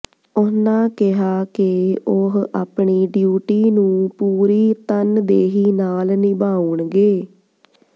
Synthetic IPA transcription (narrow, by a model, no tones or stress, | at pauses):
ʊnãːkɪɦaːkɪʊɦaːpɳiːɖjuːʈiːnũːpuːɾiːt̪ənd̪eːɦiːnaːlnɪbaːuɳɡeː